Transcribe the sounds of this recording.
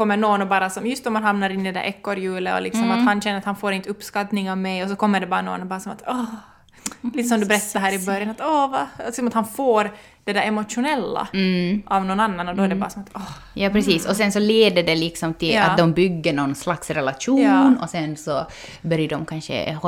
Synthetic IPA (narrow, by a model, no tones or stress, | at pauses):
kʰɔmːəɳoːnɔbɑːɾasɔmjɵst̪ɔmːanɦamnaɾɪnːɪd̪ɛd̪æ̰ɾʔɛkːɔɾjʉːləɔ̰lɪksɔmahanɕɛnːəɾat̪hanfoːɾɪnt̪əɵpːskat̪nɪŋavmɛjɔsɔkʰɔmːəɖɛbɑːɾano̰ːnɔbɑːɾasɔmat̪ɔ | liːt̪əsɔmd̪ɵbɛɾɛt̪ːaɾɦæːɾɪbœɾjanat̪ɔvalksɔmat̪hanfoːɾ | d̥̪ɛd̪æɾɛmɔt̪ʂʊnɛlːa̰ʔavnɔnanːanɔd̪ɔɛɖɛbɑ̰ːɾasɔmat̪ɔ | jɑːpʰɾɛsiːsɔsɛnsɔleːd̪əɖɛlɪksɔmt̪ʰɪla̰td̪ɔmbʏɡːəɳɔnslaksɾɛlaʂujːɑːnɔsɛnsɔ | bœɾjəɖɔmkʰanʂə̰h